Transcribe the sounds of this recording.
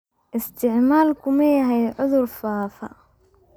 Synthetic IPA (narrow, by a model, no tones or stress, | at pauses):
ʔɪst̪ʰɪʕmaːlkʰʊmɐjɐɦɛjʕʊðʊrfaːfɐ